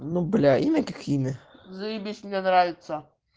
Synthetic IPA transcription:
nublʲæʔinɛkʲɪxʲinɪzibʲisʲmʲnʲɛnɾaʋʲɪt̪sɐ

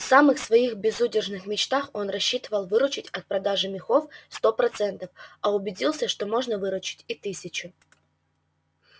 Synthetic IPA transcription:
fsamɨxsvɐixbʲɪzudʲɪrʐnɨxmʲɪt͡ɕt̪axo̞nrɐɕːit̪əvəlˠvɨɾʊt͡ɕɪtʲɐt̪̚pɾɐd̪aʐɨmʲɪxo̞fst̪o̞pɾɐt̪sɛnt̪əfɐʊbʲɪdʲilˠsʲəʂt̪o̞mo̞ʐnəvɨɾʊt͡ɕɪ̥tʲɪt̪ɨsʲɪt͡ɕʊ

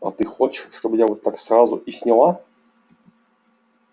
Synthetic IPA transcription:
ɐ̰t̪ɨxot͡ɕɪ̥ʂʂt̪obɨjavot̪ːaksrazʊʔɪsʲnʲɪlˠa

